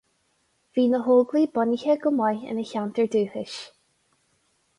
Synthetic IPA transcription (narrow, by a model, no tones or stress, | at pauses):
v̥iːnəɦoːlɡliːbɔnɪçəɡəmajə̰nəçant̪əɹd̪ʉːhɪʃ